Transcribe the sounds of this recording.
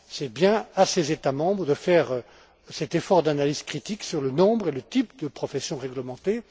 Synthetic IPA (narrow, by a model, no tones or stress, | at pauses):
sɛbjɛ̃asezet̪amɑ̃bʁəd̪əfɛʁ | sɛt̪efɔʁd̪analiz̥kχit̪iksyʁlənɔ̃bʁelət̪ipd̪əpχɔfɛsjɔ̃ʁɛɡləmɑ̃t̪e